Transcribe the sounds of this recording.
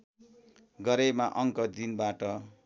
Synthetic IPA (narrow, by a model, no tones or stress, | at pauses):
ɡʌɾemaʔʌŋkʌd̪inbaʈʌ